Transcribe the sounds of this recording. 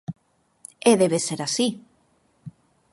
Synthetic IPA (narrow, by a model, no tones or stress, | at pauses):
eðeβeseɾasi